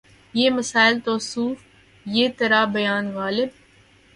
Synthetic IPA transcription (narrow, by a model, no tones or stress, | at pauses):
jeːməsaːɪlt̪oːsuːf | jeːt̪ɐɾabɐjaːnɣaːlɪb̚